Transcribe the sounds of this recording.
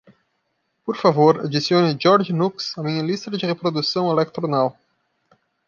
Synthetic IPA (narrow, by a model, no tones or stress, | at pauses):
poɾfavoɾa̰d͡ʒisiõnɪd͡ʒɔɾʒɪnuksɐmĩɲɐlist̪ɐd͡ʒɪʁepɾod̪usɐ̃w̃elek̚t̪ɾonaw